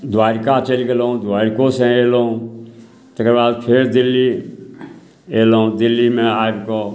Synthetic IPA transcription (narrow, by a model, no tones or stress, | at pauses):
d̪waːɾkat͡ʃəliɡelũd̪waːɾkosẽeːlũ | t̪əkɾbaːd̪pʰeɾd̪ɪlːi | elɦũd̪ɪlːimẽaːɾko